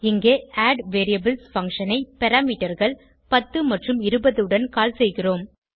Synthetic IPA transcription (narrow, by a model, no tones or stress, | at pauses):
ɪŋɡeːaːɖʋeːɾijɐbɪlsfɐŋʂɐnɐɪpɛɾaːmiːʈɐɾɣɐɭ | pɐt̪ːɯmɐʈrɯmɪɾɯbɐðɯɽɐnkaːlsɛjɣɪroːm